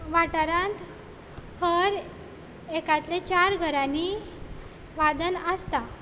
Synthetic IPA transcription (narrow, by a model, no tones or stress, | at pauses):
ʋaʈəɾãnt̪ | həɾ | ekat̪let͡ɕaɾɡʱəɾãni | ʋad̪ənəst̪a